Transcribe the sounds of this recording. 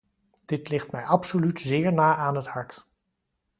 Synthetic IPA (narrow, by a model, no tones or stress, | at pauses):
d̥ɪtlɪχtmɛjɑpsolytzɪːɹnaːʔaːnɦəthɑɹt